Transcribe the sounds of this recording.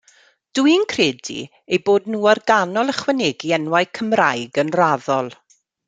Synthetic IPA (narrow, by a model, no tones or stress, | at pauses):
d̥uɨnkʰreːdḭ | ejboːdnuːɔrɡanɔlˠəχwɛneɡiɛnwajkʰəmrajɡənraðɔlˠ